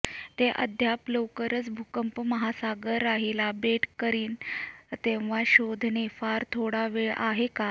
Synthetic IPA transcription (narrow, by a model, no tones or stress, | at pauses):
t̪eʔə̰d̪ʱjapləwkəɾət͡sbʱukəmpməɦasaɡəɾaɦilabeʈkəɾiːnt̪ẽʋ̤aɕod̪ʱnefaɾt̪ʰoɽaʋeɭʔa̰ɦeka